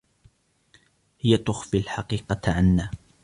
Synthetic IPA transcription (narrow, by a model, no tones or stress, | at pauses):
hɪjat̪ʊxfilħɑqiːqɑʕanːaː